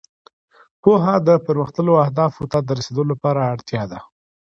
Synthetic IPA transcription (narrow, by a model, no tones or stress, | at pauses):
poɦad̪əpəɾməxt̪əloahd̪ɑfʊt̪ɑt̪̚d̪əɾased̪əlolapɑɾaːɽt̪jɑd̪a